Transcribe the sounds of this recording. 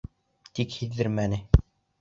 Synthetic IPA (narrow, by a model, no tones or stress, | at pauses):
t̪ikhiðːɘɾmænɘ